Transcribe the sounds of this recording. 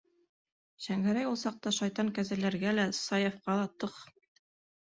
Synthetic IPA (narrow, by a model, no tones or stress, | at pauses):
ɕæŋɡæɾæjulˠsɑq̚t̪ɑʃɑjt̪ɑŋkæzælæɾɡælæsɑjefqɑlˠɑt̪ɤq